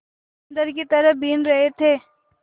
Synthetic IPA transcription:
ɐnd̪əɾkit̪ɐɾəbʱiːnɾɐɦet̪ʰeː

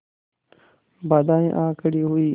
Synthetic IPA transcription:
bad̪aːĩʔãːkʰəɽiːɦʊiː

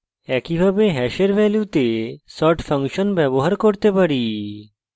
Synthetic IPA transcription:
ɛkibʱabeɦɛʃeɾbʱɛljut̪esɔʈfʰʌŋʃonbɛboɦaɾkoɾt̪epaɾi

